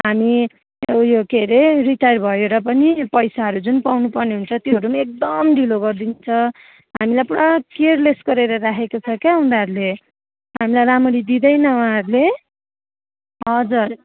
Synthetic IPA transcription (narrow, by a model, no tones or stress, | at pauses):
ɦami | jokeɾeriʈajrbʱʌjeɾʌp̬ʌnipʌjsaɦʌɾud͡zunpawnupʌrneɦunt͡sʰʌt̪joʌɾumaek̚d̪ʌmd̪ʱiloɡʌrd̪int͡sʰʌ | ɦamilajpuɽakerlesɡʌɾeɾʌɾakʰekot͡sʰʌkjaɦũnd̪aɦʌɾule | ɦamilajɾamʌɽid̪id̪ʌjnʌwaãɦʌɾule | ɦʌd͡zur